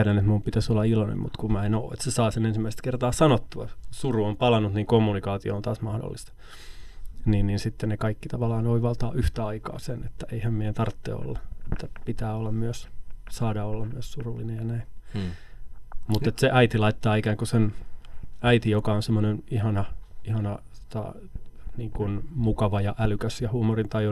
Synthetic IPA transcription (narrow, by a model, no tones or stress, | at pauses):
ɾænet̪mumpit̪æsolːɑilonḛmmṵt̪kumɑenoːḛt̪sesɑːsenensimːæist̪kert̪ɑːsɑnot̪ːuɑsuruompɑlɑnːut̪niːŋkomːunikɑːt̪io̰ont̪ɑːsmɑhdo̰lːist̪ɑ̥ | niːnniːnsit̪ːennekɑikːit̪ɑʋɑlɑːnoiʋɑlt̪ɑ̰ːyht̪æɑikɑ̰ːsenet̪ːæeihæmmient̪ɑrt̪ːḛːo̰lːɑet̪ːæpit̪æːolːɑmmyøssɑːdɑolːɑmmyøssurulːinejjɑnæin | mut̪ːet̪seʔæit̪ilɑit̪ːɑːikæːŋkusen | æit̪ijokɑonsemːonenihɑnɑihɑnɑsot̪ɑ̰ | niːŋkunmukɑʋɑjɑʔælykæsjɑhuːmorint̪ɑjo